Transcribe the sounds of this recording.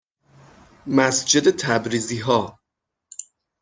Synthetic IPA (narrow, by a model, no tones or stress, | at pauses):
mæsd͡ʒe̞d̪et̪ʰæbɾiːziːɦɒː